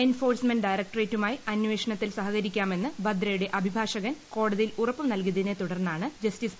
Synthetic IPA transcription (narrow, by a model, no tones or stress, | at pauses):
enfo̞ːrsmɐnɖɖɐjɾɐk̚ʈreːtːumaːjiɐnʋe̞ːʂɐɳɐt̪ːilsɐɦɐɣɐɾikʲːaːme̞nːɨbʱɐd̪ɾɐjuɽeʔɐbʱibʱaːʂɐɣɐnko̞ːɽɐðijilurɐpːɐmnɐlk̬uɐðinet̪uɽɐrnːaːɳɨd͡ʑɐstis